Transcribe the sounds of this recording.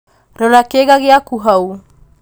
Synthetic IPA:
ɾoɾakeɡaɡiakuɦaw

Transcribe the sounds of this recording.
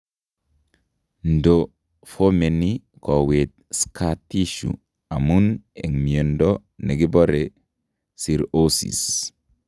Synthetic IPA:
ndo | fomeni | kɔwet̪̚skatiʃṵ | amuneŋmiendo | neɡibɔɾe | siɾosḭs

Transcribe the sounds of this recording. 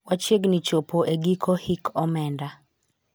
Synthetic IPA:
wat͡ʃeɡnit͡ʃopoʔeɡikʰohikʰɔmɛnda

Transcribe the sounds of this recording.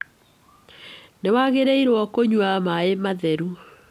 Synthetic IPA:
newaɣeɾeiɾwɔkoɲwamaemaðɛɾu

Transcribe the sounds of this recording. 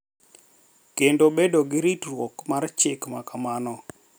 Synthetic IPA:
kendobedoɡɪɾitrwɔkmart͡ʃɪkmakamanɔ

